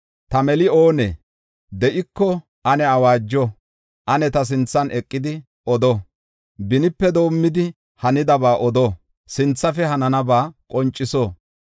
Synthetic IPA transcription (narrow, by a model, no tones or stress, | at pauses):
t̪ɐmɛlɪo̞ːnɛ̰ | d̪ɛʔɪkːɔ | ʔɐnɛɐwaːd͡ʒːɔ | ʔɐnɛt̪ɐs̬ɪnt͡sːɐnʔɛkʼːɪd̪ɪ | ɔd̪ɔ | bɪnɪpːɛd̪o̞ːmːɪd̪ɪ | hɐnɪd̪ɐbaːʔɔd̪o | sɪnt͡sːɐfɛhɐnɐnɐbaːkʼɔnt͡ʃʼːɪsoː